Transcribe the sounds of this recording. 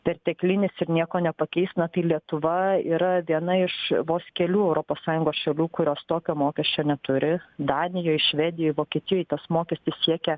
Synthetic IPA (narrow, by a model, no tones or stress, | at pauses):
pʲɛrt̪ʲɛklʲɪnʲɪsɪɾnʲiɛkoːnʲɛpɐkʲɛɪst̪nɐt̪ɐɪlʲiɛt̪ʊʋɐḭːɾɐʋʲiɛnɐɪʃʋoːskʲɛlʲuːɛʊɾoːpoːssɑːjʊŋɡoːsʃʲɛlʲuːkʊɾʲoːst̪oːkʲoːmoːkʲɛsʲt͡ʃʲoːnʲɛt̪ʊɾʲɪd̪ɑːnʲɪjoːɪʃʲʋʲɛd̪ʲɪjoːɪʋoːkʲiɛt̪ʲɪjoːjɪt̪ɐsmoːkʲɛsʲt̪ʲɪssʲiɛkʲɛ